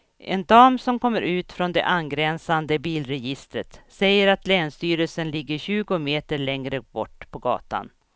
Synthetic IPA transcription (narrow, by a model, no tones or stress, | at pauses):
ʔɛnd̪ɑːmsɔmkʰɔmːəɾʔʉ̟ːt̪fɾɔnd̪ɛ̰ʔanɡɾɛnsand̪əbiːlɾɛjɪst̪ɾət̪sɛjːəɾat̪lɛːnst̪yːɾəlsənlɪɡːəɾɕʉ̟ːɡʊmeːt̪əɾɭɛŋɾəbɔ̰ʈːpʰɔɡɑ̰ːt̪a̰n